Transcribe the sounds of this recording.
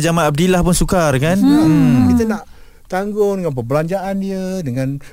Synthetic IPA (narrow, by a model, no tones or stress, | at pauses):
d͡ʒamaab̚dilahpʊnsukarkanəkit̪̬ənaʔ | t̪aŋɡʊŋdəŋanpəbəlaɲd͡ʒaʔaniədəŋãn